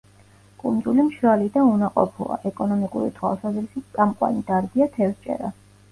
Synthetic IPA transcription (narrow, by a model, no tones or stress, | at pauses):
kʼund̪zulimʃɾalid̪aunaqʼɔpʰṵa̰ʔɛkʼɔnɔmikʼuɾḭt̪ʰwa̰lsazɾisitʼamqʼwa̰nid̪̥aɾd̪iat̪ʰɛvst͡ʃʼɛ̰ɾa